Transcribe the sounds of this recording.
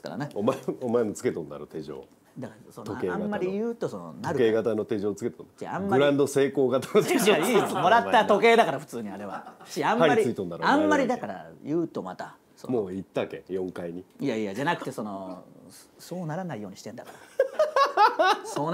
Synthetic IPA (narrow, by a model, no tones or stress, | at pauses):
ka̰ɾa̰neomaeomaemot͡sɨ̥ke̞t̪õnd̪a̰ɾot̪e̞ʑo̰ː | d̪akasont̪okeãmːaɾʲijɯ̟ːt̪o̞sono̰naɾɯ̟keːɡat̪ano̞t̪e̞ʑo̞ːt͡sɨ̥ket̪ond̪t͡ɕã̰mːɡaɯɾãnd̪o̞se̞ːko̞ːɡat̪anoeomo̞ɾat̪ːat̪o̞ke̞ːd̪akaɾaɸɯ̟̥t͡sɨːɲ̟iaɾe̞βa̰ɕiãmːaɾʲiaiɾiɨit̪õnd̪aɾãmːaɾʲid̪akaɾa̰jɯːt̪o̞mat̪a | so̰moːit̪ːakḛjõ̞ŋkaiɲ̟iijaiːjad͡ʑanakɯ̟̥t̪e̞so̞no̞ | so̞ːnaɾanaijo̞ːɲiɕi̥t̪e̞nd̪akaɾ | soːn